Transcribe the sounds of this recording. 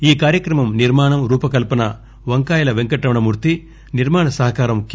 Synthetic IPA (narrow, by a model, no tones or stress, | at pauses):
iːkaːɾjɐkɾɐmɐmniɾmaːɳɐmɾuːpɐkɐlpɐnɐ | ʋɐŋkaːjɐlɐʋeŋkɐʈːɐʋɐɳɐmuːɾt̪i | niɾmaːɳɐsɐɦɐkaːɾɐmk